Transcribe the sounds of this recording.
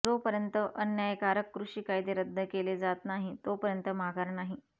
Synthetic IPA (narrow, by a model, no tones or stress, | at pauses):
d͡zopəɾjənt̪əʔənjajkaɾəkːɾuʂiːkajit̪eɾəd̪ʱːəkeled͡zat̪naɦit̪opəɾjənt̪əmaɡaɾnaɦi